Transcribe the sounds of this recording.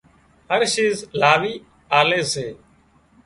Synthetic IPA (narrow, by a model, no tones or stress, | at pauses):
ɦəɾʃiːzlaːʋiː | aːleːseː